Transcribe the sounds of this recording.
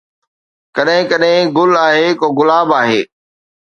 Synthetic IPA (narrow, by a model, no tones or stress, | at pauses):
kɐɗɦɪ̃kɐɗɦɪ̃ɡʊlaːɦeːkoːɣʊlaːbaːɦeː